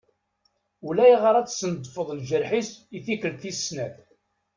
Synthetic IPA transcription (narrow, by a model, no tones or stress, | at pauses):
ulæjʁəɾˤæt͡sːsənd̪ˤfəðˤlʒəɾħisiθikəlθisːnæθ